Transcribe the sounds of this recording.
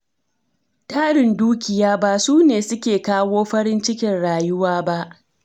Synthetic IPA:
taː˦ɽɪ˨nduː˦kʲɪ˨jaː˦ba˦˨suː˦neː˨sʊ˦kʲeː˨kaː˦woː˦ɸɐ˦ɽɪ˦nt͡ʃɪ˦kʲɪ˨nɽaː˨jʊ˦waː˦ba˦ʔ

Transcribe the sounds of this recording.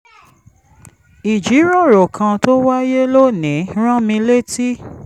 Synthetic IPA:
i˨d͡ʒi˨˦ɾɔ̃˦˨ɾo˨kʰã˧to˦wa˦je˦lo˦˨nĩ˨˦ɾ̃ã˦mĩ˧le˦ti˦

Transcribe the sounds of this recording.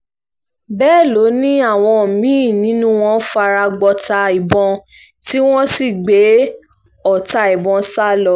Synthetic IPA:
bɛː˦˨lo˨˦nĩ˦a˦˨w̃ɔ̃˧˨mĩː˦˨nĩ˨˦nũ˦w̃ɔ̃˦fa˧ɾa˧ɡ͡bɔ˧ta˧i˨bɔ̃˧ | ti˦w̃ɔ̃˦si˦˨ɡ͡be˨˦ | ɔ˨ta˧i˨bɔ̃˧sa˦lɔ˨˦

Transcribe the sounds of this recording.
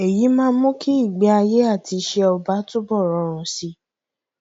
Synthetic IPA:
e˨ji˨˦mãː˦mũ˦kʰi˦i˦˨ɡ͡be˨˦a˧je˦a˦˨ti˧ʃe˧ɔ˧ba˨˦tu˦bɔ˦˨ɾɔ˨˧ɾ̃ũ˨si˧˦

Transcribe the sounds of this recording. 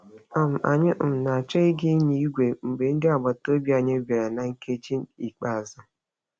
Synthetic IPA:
a˨m̩˨ʔa̰˨ɲɪ˦ʔ̩˨m̩˨na˨t͡ʃe˦i˦ɡɪ˦ni˦i˦ɡʷe˨ŋ͡m̩˨be˨n̩˦dɪ˦a˨ba˨to˦bji˦a˨ɲɪ˦be˨ɾa˨na˨ŋ̩˦ke˦t͡ʃi˦n˦i˨k͡pa˨a˨za˨

